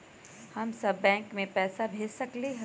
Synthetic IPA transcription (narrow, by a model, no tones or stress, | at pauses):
hɐmsɐbːɛ̃ːŋkmẽpɛːsabʱeːd͡ʒsɐkleɦ